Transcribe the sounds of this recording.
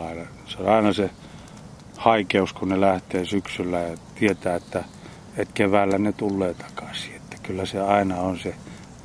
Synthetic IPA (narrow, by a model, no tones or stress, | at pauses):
ɑilɑ | seonɑinɑse | hɑikeuskunelæht̪eːsyksylːæjɑt̪iet̪æːet̪ːæ | et̪keʋæːlːænet̪ulːeːt̪ɑ̥kɑ̥si̥e̥t̪ːæ̥kylːæseɑinɑonse